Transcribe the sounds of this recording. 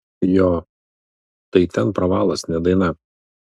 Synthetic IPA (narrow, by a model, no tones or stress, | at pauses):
jɔː | t̪ɐɪt̪ʲɛnpɾɐʋɑːlˠɐsnʲɛd̪ɐɪnɐ